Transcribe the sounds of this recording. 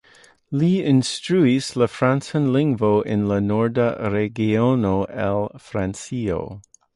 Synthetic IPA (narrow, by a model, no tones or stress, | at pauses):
liɪ̃nstɹuisləfɾãnsə̃nlɪ̃ŋɡvoʔɪ̃nlənɔɹdəɾeɡionoʔɛlˠfɾãnsio̰